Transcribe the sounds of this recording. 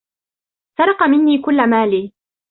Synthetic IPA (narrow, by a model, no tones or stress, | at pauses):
sɑɾˤɑqɑmɪnːiːkʊlːamaːliː